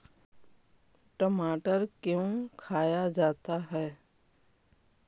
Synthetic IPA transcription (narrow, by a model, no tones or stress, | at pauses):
ʈəmaːʈəɾkjõkʰaːjad͡ʒaːt̪aɦɛː